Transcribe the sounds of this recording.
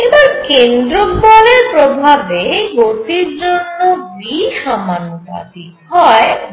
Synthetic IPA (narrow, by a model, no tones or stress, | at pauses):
ebaɾkend̪ɾobɔleɾpɾobʱabeɡot̪iɾd͡ʑonːobiʃamanopa̰t̪i | ɦɔe